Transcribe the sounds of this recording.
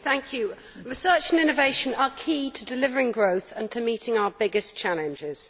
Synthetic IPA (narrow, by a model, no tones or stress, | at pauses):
θæ̃ŋkʰjʉ | ɹɪsɜˑt͡ʃə̃nɪ̃nəveɪʃə̃nəkʰiːtʰədɪlɪvəɹɪ̃ŋɡɹəʊθə̃ntʰəmiˑtʰɪ̃ŋaʊəbɪɡɪst͡ʃʰalɪ̃nd͡ʒɪz̥